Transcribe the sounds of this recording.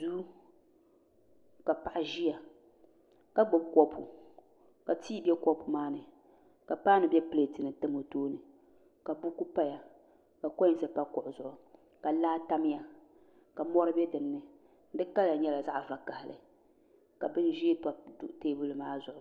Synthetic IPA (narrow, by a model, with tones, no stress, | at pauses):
du˦ | ka˨pa˨ʔɪ˦ʒi˦ja˨ | ka˦ɡ͡bɔ˦b̚kɔ˦pʰṵ˨ | ka˨tʰiː˦bɛ˦kɔ˦pu˨maː˦nɨ˨ | ka˨paː˦nɨ˨bɛ˦ple˨tɨ˨nɨ˨tɨ˦mo˨toː˦nɨ˨ | ka˨bu˦ku˦pa˦ja˨ | ka˨kɔ˦˨˦sɨ˨pa˦kʊ˨ʔʊ˨zʊ˨ʔʊ˨ | ka˨laː˦ta˦m˦ja˨ | ka˨mɔ˦ɾɨ˦bɛ˦dɨ˨nːɨ˨˦ | dɨ˦ka˦la˨ɲɛ˦la˨za˦ʔva˨ka˨hɪ˨lɨ̰˨ | ka˨bɨ˦n˦ʒi˦pa˨du˦ʔteː˦bu˦lɨ˨maː˦zʊ˨ʔʊ˨